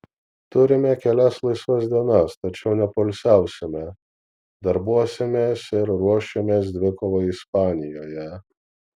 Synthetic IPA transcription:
t̪ʊɾʲɪmʲɛkʲɛlʲɛslˠɐɪsʋɐsd̪ʲiɛnɐst̪ɐt͡ʃʲɛʊnʲɛpoːlʲsʲæˑʊsʲɪmʲɛ | d̪ɐɾbuɔsʲɪmʲeːsɪɾɾuɔʃʲemʲeːs̬d̪ʲʋʲɪkoːʋoɪspɑːnʲɪjoːjɛ

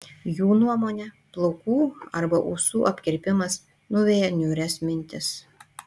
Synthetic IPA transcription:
juːnuɔmoːnʲɛ | plˠoʊkuːɐɾbɐʔusuːʔɐpʲkʲɪɾʲpʲɪmɐs | nʊʋʲeːjɛnʲuːɾʲɛsmʲɪnʲt̪ʲɪs

